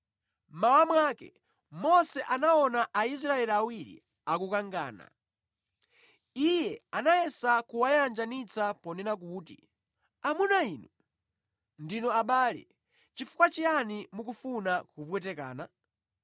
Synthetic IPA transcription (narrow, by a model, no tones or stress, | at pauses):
mawamwakɛ̰ | mɔsɛʔanaɔnaʔais̬ɾaɛliawiɾḭ | akukaŋɡa̰ːna̰ | ijɛanajɛsakuwajand͡ʒanit͡sapɔnɛnak̬uːtḭ | amunaiːnu | ndinɔaɓaːlɛ̰ | t͡ʃifu̥kwat͡ʃianimukufunakupwɛtɛka̰ːna